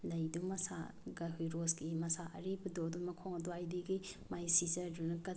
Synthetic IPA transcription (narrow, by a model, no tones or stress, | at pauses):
lɐjdumɐsa̰ɡɐɦujɾosɡimɐsaʔɐ̰ɾibɐdodumɐkʰoŋɐduajdiɡijmajsizɐɾdunɐkɐ